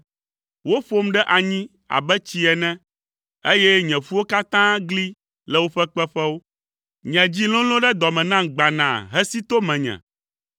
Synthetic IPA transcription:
wo˦ɸo˦mɖɛ˦ʔa˨ɲĩ˦ | a̰˨bɛ˦t͡ɕi˦ɛ˨nɛ̃˦ | e˦jɛ˦ɲɛ̃˨fu˦wo˦ka˦t̪ã˦ɡli˦ | lɛ˦˨wo˦ɸɛ˦k͡pɛ˦ɸɛ˦wo˦ | ɲɛ̃˨d͡ʑi˦lɔ̃˦lɔ̃˦ɖɛ˦d̪ɔ˨mɛ̃˨nã˦ɡ͡ba˨nã̰˨ɦɛ˦si˦t̪o˦mɛ̃˨ɲɛ̰̃˨

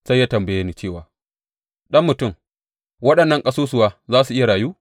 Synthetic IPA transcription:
sa˦jːaː˦tɐ˨mbɐ˨jeː˦niː˦t͡ʃeː˦˨waː˨ | ɗɐ˦mːʊ˨tʊ˦˨m | wɐ˦ɗɐ˨nːɐ˦ŋkʼɐ˦soː˦s̬ʊ˨waː˦zaː˦su˨ʔɪ˦ja˨ɽaː˨juː˦

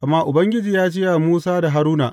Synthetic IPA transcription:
ʔa˨mːaː˦ʔʊ˨bɐ˦ŋɡʲɪ˦d͡ʒiː˨jaː˦d͡ʒɪ˦ja˨muː˦saː˦da˨ɦa˦ɾuː˦na̰ː˨ʔ

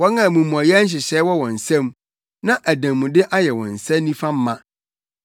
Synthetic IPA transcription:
wɔ˦nã˨mũ˨mũ˨a˨jɛ˦æ˦n̩˦ɕ̬ɪ˨ɕɛː˨˦wɔ˦wɔ̃˨n̩˨sɛ̃˦m | nã˦ʔæ˨dã˨mũ˨dɪ˦ʔa˦jɛ˨wɔ̰̃˨n̩˨sɛ̃˦nĩ˦fã˦m̩˦mã˦

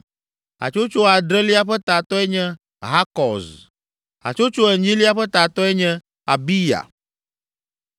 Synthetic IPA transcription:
ɦa̰˨t͡ʃo˦t͡ʃo˦a˨ɖɾɛ˦li˦a˦ɸɛ˦t̪a˨t̪ɔ˦ɛ˦ɲɛ̃˦ | ɦa˦kɔ˨z | a̰˨t͡ʃo˦t͡ʃo˦ɛ˨ɲĩ˦li˦a˦ɸɛ˦t̪a˨t̪ɔ˦ɛ˦ɲɛ̃˦ | a̰˨bi˦ja̰˨

